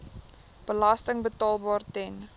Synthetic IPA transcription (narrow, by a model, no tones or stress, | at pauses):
b̥əlastəŋbətɑːlˠbɑːrtɛn